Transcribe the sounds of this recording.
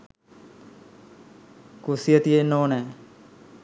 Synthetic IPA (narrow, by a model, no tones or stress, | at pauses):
kusijət̪ienoːnɛː